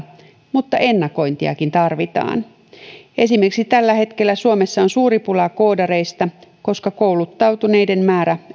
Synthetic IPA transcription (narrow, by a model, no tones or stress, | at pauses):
mut̪ːɑʔe̞nːɑko̞jnt̪iɑ̰kint̪ɑrʋit̪ɑ̰ːn | e̞sime̞rksit̪ælːæhe̞t̪ke̞lːæsuome̞sːɑo̞nsuːɾipulɑko̞ːdɑɾe̞jst̪ɑko̞skɑko̞wlut̪ːɑwt̪une̞jde̞nmæːɾæ